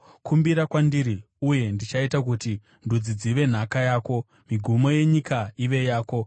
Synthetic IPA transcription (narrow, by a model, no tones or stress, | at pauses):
kumbiɾakwandiɾi | uje̞ndit͡ʃaitakuti | ndud͡zid͡ziʋe̞n̤akajaːko̞ | miɡʱumo̞je̞ɲikaiʋe̞jaːko̞